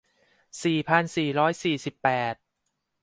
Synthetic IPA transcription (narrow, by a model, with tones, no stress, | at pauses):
siː˨˩pʰa˧nsiː˨˩ɾɔː˦˥jsiː˨˩si˨˩pːɛː˨˩t̪̚